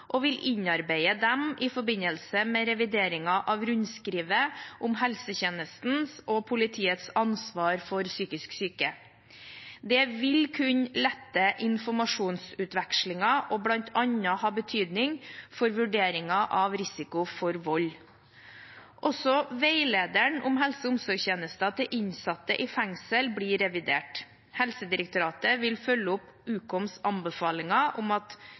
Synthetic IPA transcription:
ʔɔʋɪlʔɪɲɑɾbeɪəd̪ɛmɪfɔbɪnəlsəmɛɾɛʋɪd̪eːɾɪŋɑʔɑʋɾʉɲskɾiːʋəʔʊmɦɛlsəçɛnəst̪n̩sʔɔpʰʊlɪt̪ʰiːət̪sɑnsʋɑːɾfɔɾsyːkɪsksyːkə | d̪ɛʋɪlkʰʉɲlɛt̪ːəʔɪnfɔmɑʂuːnsʉːt̪ʋɛkʂlɪŋɑʔɔblɑnt̪ʰɑɲəhɑːbət̪ʰyːd̪nɪŋfɔɾʋʉɖeːɾɪŋɑʔɑʋɾɪsɪkʊfɔɾʋɔlː | ʔɔsɔʋeɪleːd̪əɳʊmɦɛlsəʊmsɔɾçeːnəst̪ɑt̪ʰɛʔɪɲsɑt̪ːə̰ʔɪfæŋsəlbɽiɾɛʋɪd̪ḛːʈ | hɛlsəd̪ɪɾək̚t̪ʊɾɑːt̪əʋɪlfœlːəʊp | ʉːkɔmsɑnbəfɑːlɪŋɑʔʊmɑt̪

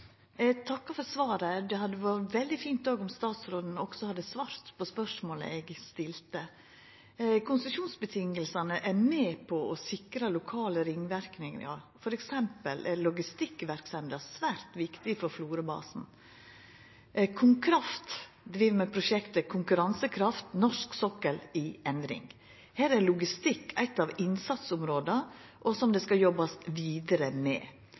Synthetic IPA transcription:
t̪ʰɑkːɑfɔɾsʋɑːɾəd̪ɛhɑd̪ːəʋɑɾʋɛld̪ɪfiːnt̪oːɡɔmst̪ɑːt̪sɾoːd̪n̩ɔɡsɔhɑd̪ːəsʋɑːɾt̪pʰɔspœʂmoːlə̰ɛɡst̪ɪlt̪ə | kʰʊnsəʂuːnsbət̪ʰɪŋːəlsɑnəʔæɾmɛːpʰɔʔɔsɪkɾɑlʊkʰɑːləɾɪŋːʋæɾknɪŋɑ̰fɔɾɛksɛmpəlʔɛɾlɔɡɪst̪ɪkːʋæɾksɛnd̪əsʋæːɾt̪ʋɪkt̪ɪfɔɾfluːɾəbɑ̰ːsn̩ | kʰʊŋkʰɾɑft̪ | d̪ɾiːʋmɛpʰɾʊʃɛkt̪əkʰʊŋkʉɾɑnsəkʰɾɑft̪nɔʂksɔkːəlɪɛnd̪ɾɪ̰ŋ | hæːɾæɾlʊɡɪst̪ɪkːʰæɪt̪ːɑʋɪnsɑt̪sʊmɾoːd̪ə | ʔɔsɔmd̪ɛskɑjɔbɑsʋiːd̪əɾəmɛ̰ː

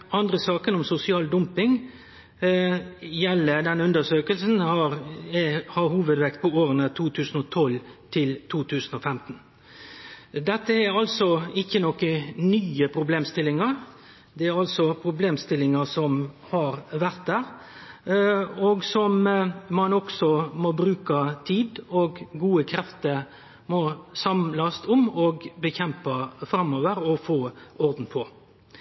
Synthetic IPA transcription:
ɑnd̪ɾəsɑːkənɔmsʊsɪɑːld̪ʊmpɪŋ | jɛlːəd̪ɛnʉnd̪əʂøːkəlsn̩hɑɾ | hɑɾhuːʋəd̪ʋɛkt̪̚pʰɔoːɾənət̪ʰuːt̪ʰʉːsən̩ɔt̪ʰɔlt̪ʰɪlt̪ʰuːt̪ʰʉːsən̩ɔfɛmt̪n̩ | d̪ɛt̪ːəæɾɑlsɔɪçːənɔkənyːəpʰɾʊbleːmst̪ɪlɪŋɑɾ | d̪ɛæɾɑlsɔpʰɾʊbleːmst̪ɪlɪŋəsɔm | hɑɾʋæɾt̪̚d̪æːɾ | ɔɡsɔmmɑnɔksɔmɔbɾʉːkət̪ʰiːd̪ɔɡɡuːəkʰɾɛft̪əɾ | mɔsɑmlɑst̪ʊmɔɡbəçɛmpɑfɾɑmːoːʋəɾɔfoːɔɾd̪n̩pʰɔ

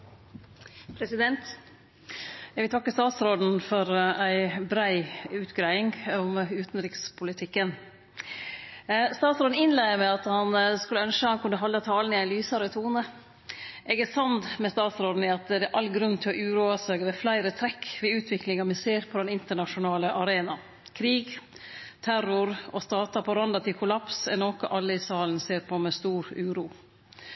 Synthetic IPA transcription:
pʰɾɛsɪd̪ɛnt̪ | ɛɡʋɪlt̪ʰɑkːəst̪ɑːt̪sɾoːd̪n̩fɔɾæɪbɾæɪʉːt̪ɡɾæɪɪŋɔmʉːt̪nɾɪkspʰʊlɪt̪ʰɪkːən | st̪ɑːt̪sɾoːd̪n̩ɪnlæɪəmæɪɑt̪hɑnskʉlːəœnʂəhɑnkʰʉnːəɦɑlːət̪ʰɑːlnɪæɪnlyːsɑɾət̪ʰuːnə | ʔɛɡæsɑnd̪mɛst̪ɑːt̪sɾɔd̪n̩ɪɑt̪d̪ɛʔɑlːɡɾʉnːt̪ʰɪlɔʔʉːɾuɑsœɡəʋɛflæɪɾət̪ʰɾɛkːʋɛʉːt̪ʰʋɪklɪŋɑmɪseːɾpʰɔd̪ɛnɪnt̪əɳɑʂʊnɑːləʔɑɾeːnɑ | kʰɾiːɡ | t̪ʰæɾʊɾɔst̪ɑːt̪ɑpʰɔɾɑnd̪ɑt̪ʰɪlkʰʊlɑpsɛnoːkəʔɑlːəɪsɑːlnseːɾpʰɔmɛst̪uːɾʉːɾuː

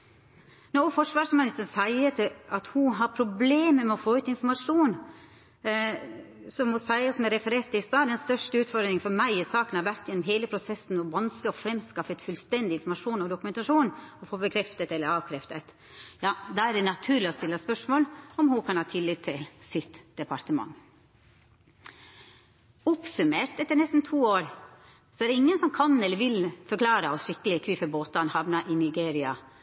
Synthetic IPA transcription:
nɔfɔʂʋɑːʂmɛnɪst̪ənsæɪət̪ʰɪɑt̪hʊɦɑɾpʰɾʊbleːməmɛɔfoːʉːt̪ɪnfɔɾmɑʂuːn | sɔmɔsæɪɑsɔmɛɾɛfəɾeːʈ̪ɪst̪ɑːd̪ɛnst̪œʂʈəʉːt̪fɔɾd̪ɾɪŋfɔɾmæɪɪsɑːkənɑɾʋæɾt̪jɛnːɔmɦeːləpʰɾʊsɛsn̩ɔʋɑnsloɔfɾɛmskɑfɛt̪fʉlst̪ɛnd̪ɪɪnfɔɾmɑʂuːnɔd̪ʊkʉmɛnt̪ɑʂuːnɔfoːbəkʰɾɛft̪ət̪ɛlːəɾɑːʋkʰɾɛft̪ət̪ | jɑːd̪ɑæɾdɛnɑt̪ʰʉːɾlɪɔst̪ɪlːəspœʂmoːlɔmhʊkʰɑnhɑːt̪ʰɪlːɪt̪ʰːɪlsɪt̪d̪̥ɛpɑɾt̪əmɑ̰ŋ | ɔpsʉmeːɾt̪ɛt̪ːəɾɳnɛst̪n̩t̪ʰuːoːɾ | sɔɛɖ̪ɛɪŋːənsɔmkʰɑnɛlːəɾʋɪlfɔɾklɑːɾəɔsʂɪkːəlɪkʰʋɪfəboːt̪ɑnhɑʋnɑʔɪnɪɡeːɾɪɑ

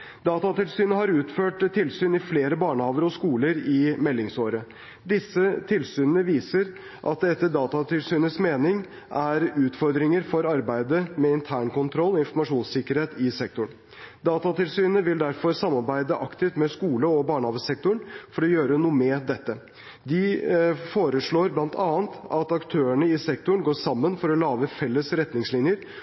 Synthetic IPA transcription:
d̪ɑːt̪ɑt̪ɪlsyːnəɦɑɾʉːt̪føːʈt̪ʰːɪlsyːnɪfleːɾəbɑːɳəhɑːʋəɾɔskuːləɾɪmɛlːɪŋsoːɾə | d̪ɪsːət̪ʰɪlsyːnənəʋiːsəɾ | ʔɑ̰t̪d̪ɛt̪ːəɖɑːt̪ɑt̪ɪlsyːnəsmeːnɪŋ | ʔæɾʉːt̪fɔɾd̪ɾɪŋəɾfɔɾɑɾbæɪd̪əmɛɪnt̪ʰæːɳkʊnt̪ʰɾɔlːɔɪnfɔɾmɑʂuːnsɪkːəɾheːt̪ɪsɛk̚t̪ʊɳ | d̪ɑːt̪ɑt̪ɪlsyːnəʋɪld̪æɾfɔɾsɑmːɑɾbæɪd̪əʔɑkt̪ɪft̪mɛskuːləɔbɑːɳɑːʋəsɛk̚t̪ʊɳfɔɾɔjøːɾənuːəmɛd̪ɛt̪ːə | d̪ɪfoːɾəʂɭoːɾblɑnt̪ʰɑːənt̪ɑt̪ɑkt̪ʰøːəɳəɪsɛkt̪ʊɳɡoːʂɑmːənfɔɾɔlɑːʋəfɛlːəsɾɛt̪nɪŋslɪnjəɾ

